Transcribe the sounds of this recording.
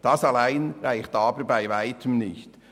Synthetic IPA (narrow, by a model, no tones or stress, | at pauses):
d̥ɑsɑlaɪnʁaɪxtɑːbəbaɪvaɪtʰəmnɪçt